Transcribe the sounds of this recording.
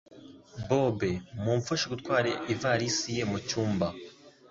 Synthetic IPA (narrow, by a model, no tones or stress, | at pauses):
bobemuːɱfuʃiɡutkwaːɾeivaɾisije̞mucuːmba